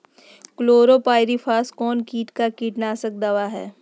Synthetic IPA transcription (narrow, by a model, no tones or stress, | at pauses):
kloːɾopaːɪɾifʰaːskɔːnkiːʈkakiːʈnaːsək̚d̪ɐʋaɦɛ̰ː